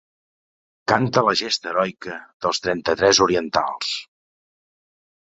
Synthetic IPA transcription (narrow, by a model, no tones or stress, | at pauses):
kant̪ələʒest̪əɾɔjkəðəlˠst̪ɾɛnt̪ət̪ɾɛzuɾiənt̪a̰lˠs